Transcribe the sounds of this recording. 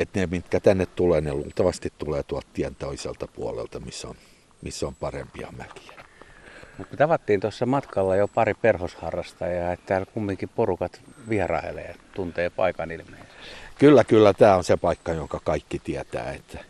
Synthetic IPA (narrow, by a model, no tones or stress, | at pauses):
et̪nemit̪kæt̪ænːet̪t̪uleːneluːlt̪ɑʋɑst̪it̪t̪uleːt̪uɑlt̪t̪iænt̪oisḛlt̪ɑpuolḛlt̪ɑmisːo̰n | misːompɑrḛmpiɑ̰mæki̥æ̥ | mut̪kut̪ɑʋɑt̪ːiːnt̪osːɑmɑt̪kɑlːɑjopɑriperhoshɑrːɑst̪ɑjɑːet̪t̪æːlkumːiŋkiporukɑt̪ʋiɑrɑ̰ḛlḛːt̪unt̪eːpɑ̰ikɑnilmeise̥kskylːækylːæt̪æːonsepɑikːɑjoŋkɑkɑikːit̪iæt̪æ̰ːet̪ːæ̥